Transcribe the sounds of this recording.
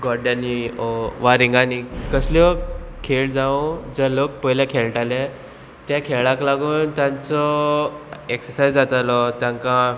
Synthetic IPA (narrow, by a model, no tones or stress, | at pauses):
ɡɔɾɖjaniɔʋaɾiŋɡanikəsljɔkʰeɭd͡zaõd͡zəlok̚pəɦlakʰeɭʈalɛ | t̪jãkʰeɭãklaɡuːnt̪jãnt͡sɔ | eksəɾsajd͡zd͡zat̪alɔt̪jãŋkã